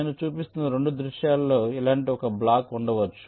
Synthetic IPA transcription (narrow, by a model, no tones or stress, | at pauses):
nut͡ʃuːpist̪unːɐɾe̞ɳɖud̪ɾuʃjaːlːo̞ːilaːɳʈiɔkɐblaːkuɳɖɐʋɐt͡ʃːu̥